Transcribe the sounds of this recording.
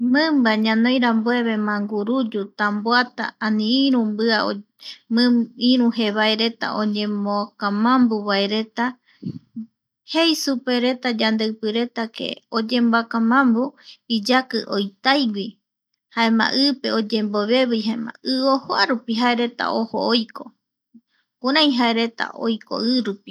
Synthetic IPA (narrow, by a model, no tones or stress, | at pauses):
mɨ̃mbaɲãnõ̞jɾamboe̞βe̞mãŋɡuɾud͡ʒut̪amboat̪a̰ːnĩĩɾũmbɨao | mɨ̃ĩɾũɦe̞βaeɾe̞t̪a̰ʔõ̞ɲẽ̞mokãmãmbuβaeɾe̞t̪a | he̞jsupe̞ɾe̞t̪ad͡ʒand̪epɨɾe̞t̪ake̞̰od͡ʒẽ̞mboakãmãmbuid͡ʒakɨʔo̞jt̪ajɡʷi | hae̞mã̰ʔɨpe̞o̞d͡ʒe̞mbo̞βe̞βɨjɦaemã̰ɨohoaɾupiɦae̞ɾe̞t̪a̰oho̰ojko̞ | kũɾãj̃ɦae̞ɾe̞t̪a̰ʔo̞̰jko̞̰ʔɨɾupi